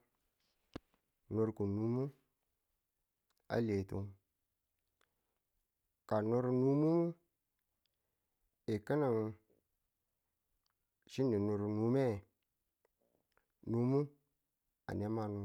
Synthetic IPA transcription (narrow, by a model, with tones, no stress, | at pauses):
no˨ɾku˨nu˦mu˦ | a̰˦le˨tṵ˦ | ka˨no˦ɾnu˦mu˦mu˦ | e˨kə˦na˨ŋ˨ | ʃi˦nːi˨no˨ɾu˨nu˦me˦˨ | nu˦mu˦ | a̰˨ne˦ma˦nu˦